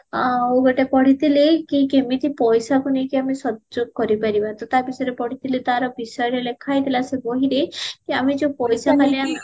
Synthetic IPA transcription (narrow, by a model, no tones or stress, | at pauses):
oɡeʈepɔɽ̤it̪ilekikemit̪ʰipɔjsakunekiamisɔd͡ʒoɡ̚kɔɾipaɾibat̪ɔt̪aɾbisɔjɾepɔɽ̤it̪ʰilit̪aɾɔbisɔjɔɾelekʰajt̪ʰilasebɔɦiɾekiamid͡ʒepɔjsakalian